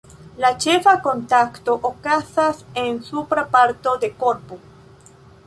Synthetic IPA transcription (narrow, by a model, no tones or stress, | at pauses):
lat͡ʃefakont̪akt̪oʔokasasensupɾapaɾt̪o̞ðekoɾpu